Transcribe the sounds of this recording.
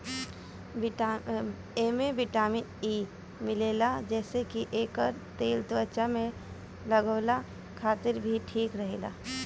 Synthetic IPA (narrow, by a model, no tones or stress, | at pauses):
bɪ | eːmeʋɪʈaːmɪniː | mɪleːlad͡ʒɛːsekiʔeːkəɾt̪eːlt̪ʊʋəːt͡ʃamẽ | lɐɡoːla | kʰaːt̪ɪɾbʱiʈʰiːkɾɐɦḛːla̰ː